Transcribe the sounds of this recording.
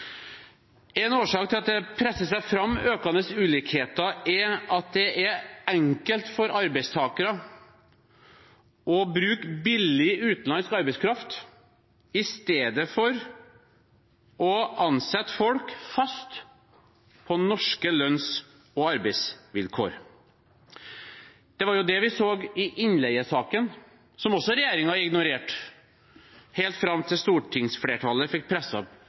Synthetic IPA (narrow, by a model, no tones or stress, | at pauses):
ɛnoːʂɑːk̚t̪ʰɪlɑt̪̚d̪ɛpʰɾɛsːəsæɪfɾɑmːøːkɑnəsʉːliːkheːt̪əʔɛʔɑt̪̚d̪ɛʔɛɛŋkəlt̪fɔɾɑɾbɛɪst̪ʰɑːkəɾə | ʔɔbɾʉːkbɪlːɪʉːt̪nlɑnskɑɾbɛɪskʰɾɑft̪ | ɪst̪eːd̪əfɔɾ | ʔɔʔɑnsɛt̪ːfɔlkfɑst̪ | pʰɔnɔʂkəlœns | ɔɑɾbɛɪsʋɪlkʰo̰ːɾ | d̪̥ɛʋɑɾjʊd̪ɛʋɪsoːɡɪʔɪnlɛɪəsɑːkən | sɔmɔsːɔɾɛjeːɾɪŋɑɪɡnʊɾeːʈ | heːlt̪fɾɑmːt̪ʰɪlst̪uːʈʰɪŋsfleːʈʰɑləfɪk̚pʰɾɛsɑ̰